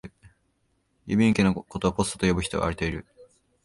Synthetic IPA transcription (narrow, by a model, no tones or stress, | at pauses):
jɯ̰bʲĩŋkʲinoko̞t̪o̞ːpo̞sɨ̥t̪ot̪ojo̞bɯ̟çi̥t̪o̞ɡa̰ːɾit̪eiɾɯ̟